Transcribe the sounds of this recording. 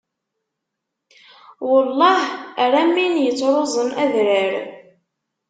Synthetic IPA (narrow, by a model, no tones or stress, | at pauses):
wəlˤːɑhɾˤæmːinjət͡sːɾˤozˤəmæðɾəɾ